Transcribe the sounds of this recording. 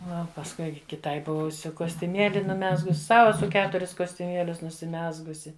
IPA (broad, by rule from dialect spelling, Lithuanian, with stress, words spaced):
ˈnʊ oː pɐsˈkʊɪ kʲɪˈtɐɪ ˈbʊʋʊsʲʊ koːsʲtʲʊˈmʲeːlʲɪ nʊˈmʲæːzɡʊs ˈsɐʊ ɛˈsʊ ˈkʲæːtʊrʲɪs koːsʲtʲʊˈmʲiɛlʲʊs nʊsʲɪˈmʲæːzɡʊsʲɪ